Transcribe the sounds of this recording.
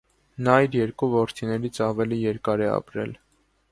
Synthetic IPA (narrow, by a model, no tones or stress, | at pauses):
nɑjɾjɛɾkuvɔɾt̪ʰinɛɾit͡sʰɑvɛlijɛɾkɑɾɛɑ̰pɾɛ̰l